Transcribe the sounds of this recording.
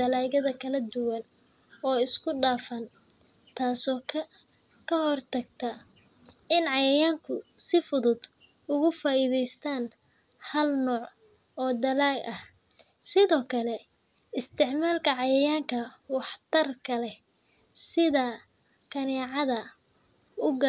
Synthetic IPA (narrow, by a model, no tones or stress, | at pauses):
ɐlaːɣɐðɐkʰɐlɐd̪ʊwɐn | ɔːɪskʰʊɖaːfɐn | t̪ʰaːsɔː | kʰɐhɔrt̪ʰɐɡ̚t̪ʰɐ | ɪnʕɑjɐjaːŋkʰʊsɪfʊðʊd̪ | ʊɣʊfaːʔiðɛjst̪ʰaːn | hɐlnɔːʕ | ɔːd̪ɐlaːɡɐh | sɪðɔːkʰɐlɛ | ɪst̪ʰɪʕmaːlkʰɐʕɑjɐjaːŋkʰɐwɑħt̪ʰɐrkʰɐlɛ | sɪðɐ | kʰɐnɛːʕɑðɐ | ʊɡɐ